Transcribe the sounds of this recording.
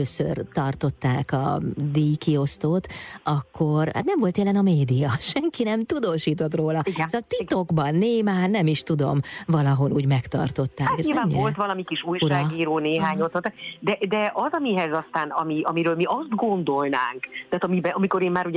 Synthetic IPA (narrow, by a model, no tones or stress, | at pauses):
øːsø̰rt̪ɒrt̪o̞t̪ːaːkɒ̰d̪iːjkio̞st̪oːt̪ɒkːo̞rha̰t̪nɛɱvo̞lt̪jɛlɛnɒmeːd̪ijɒʃɛŋkinɛmt̪ud̪oːʃiːt̪o̞t̪roːlɒisɒt̪it̪o̞ɡbɒnːeːmaːnɛmiʃt̪ud̪o̞̰mvɒlɒɦo̞lʔuːɟmɛkt̪ɒ̰rt̪o̞t̪ːaːkɛzɲilvaːɲːivo̞lt̪ʋɒlɒmikiʃuːjʃuɾaːɡiːɾoːneːɦaːɲot̪ot̪ːakd̪ɛd̪ɛʔɒzɒmiɦɛzɒst̪aːnɒmiɒmiɾøːlmiʔɒzd̪ɡo̞nd̪o̞lnaːŋkt̪aaːt̪ɒmibɛʔɒmiko̞ɾeːmmaːɾu